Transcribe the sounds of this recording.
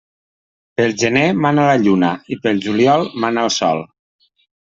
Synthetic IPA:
pəlˠʒənemanələʎunəipəlˠʒuliɔlˠmanəəlˠsɔ̰lˠ

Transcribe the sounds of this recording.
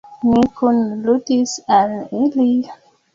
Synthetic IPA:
mikʰunlutisalili

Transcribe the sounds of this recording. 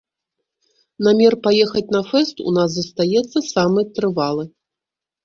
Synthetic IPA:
namʲɛrpajɛxɐt͡sʲn̪ɐfɛst̪ṵnaszɐst̪ajɛt̪sːɐsamɨjt̪ɾɨvalˠɨ

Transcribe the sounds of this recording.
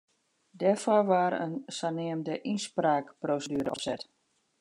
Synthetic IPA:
dɛrfɔrʋaːɾə̰nsanɪəmdəʔinspraːkproːsədyəɾəɔpsɛt

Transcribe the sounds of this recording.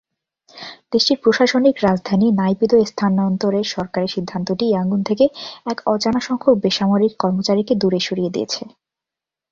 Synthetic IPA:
d̪̥eʃʈiɾpɾoʃaʃonikɾad͡ʑd̪ʱaninajpit̪oest̪ʰanɔnt̪oɾeʃɔɾkaɾiʃid̪ʱːant̪oʈiaŋɡunt̪ʰekeɛkɔd͡ʑanaʃɔŋkʰok̚beʃamoɾikːɔɾmot͡ɕaɾiked̪uɾeʃoɾijed̪ḭḛt͡ɕʰe

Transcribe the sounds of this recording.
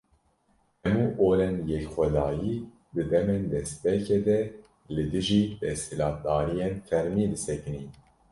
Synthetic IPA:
hɛmuːʔoːɾɛnjɛkxʷɛd̪ɑːjiː | d̪ɨd̪ɛmend̪ɛspɛked̪ɛ | lɨd̪ɨʒiːd̪ɛsɪlɑːt̪̚d̪ɑːɾijenfɛɾmiːd̪ɨsɛkɨni

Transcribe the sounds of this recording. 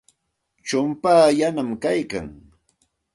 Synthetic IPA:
t͡ʃʊmpaːjanamkajka̰ŋ

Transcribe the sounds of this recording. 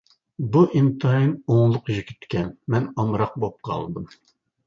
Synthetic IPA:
buʔint̪ʰɑinoŋlˠʊqiʒkʲʰy̥t̪kʲʰɛnmɛnɑmɾɑq̚bop̚qʰɑ̰lˠd̪ɨm

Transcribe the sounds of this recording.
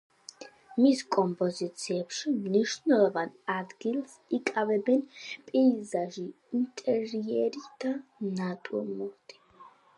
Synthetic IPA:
miskʼɔmpʰʼɔzit̪sʰiɛbʃimniʃnɛlɔvanad̪ɡils | ikʼavɛbɛnpʼizaʒi | int̪ʼɛɾiɛɾit̪ʰanat̪ʼumɔt̪ʰʼi̥

